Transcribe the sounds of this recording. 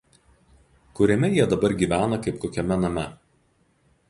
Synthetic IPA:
kʊɾʲɛmʲɛjiɛd̪ɐbɐɾɡʲiːˑʋʲæːnɐkɐɪp̚koːkʲɛmʲɛnɐmʲɛ

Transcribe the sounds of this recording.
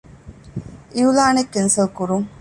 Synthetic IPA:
ʔiulaːnekːensɐlkuɾuŋ

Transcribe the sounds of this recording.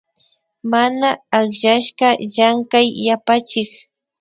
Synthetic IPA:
manaaχʒaʃɢɑʎaŋkajːapat͡ʃɪk

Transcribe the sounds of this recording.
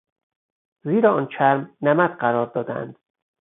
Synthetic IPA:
ziːɾɒɒːnt͡ʃʰæɾmnæmæt̪ɢæɾɒːɾd̪ɒːd̪æ̰nd̪̥

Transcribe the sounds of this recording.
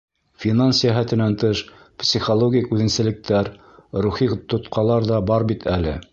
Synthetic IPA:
fʲinansjæɦæt̪ɘ̆nænt̪ɤʃ | psʲiχolˠoɡʲijkʉðɘ̆nsɘ̆lɘ̆k̚t̪ʰæɾ | ɾuχit̪ŏt̪qɑlˠɑɾðɑbɑɾbit̪ʰælɘ̰

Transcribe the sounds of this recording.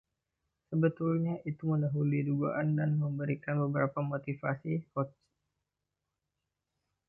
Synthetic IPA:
səbət̪ulɲaʔit̪uməldaɦuluiduɡa̰ʔandanməmbəɾikanbəbəɾapamot̪ifasifɔt͡ʃ

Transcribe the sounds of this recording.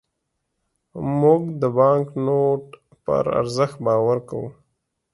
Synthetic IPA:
mʊɡd̪əbɑŋknoʈ | pə̰ɾa̰ɾzəxt̪̚bɑːwaɾka̰wṵ

